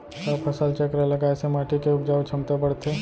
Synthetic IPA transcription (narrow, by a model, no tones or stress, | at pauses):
səpʰɐsəlt͡ʃəkɾeləɡaːesemaːʈikeʊpd͡ʒaːwt͡ʃʰɐmt̪epəɽt̪ʰe